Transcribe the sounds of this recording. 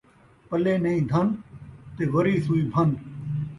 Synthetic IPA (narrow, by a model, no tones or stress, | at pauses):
pəleːnəĩːd̪ʱənt̪eːʋəɾiːsuːiːbʱən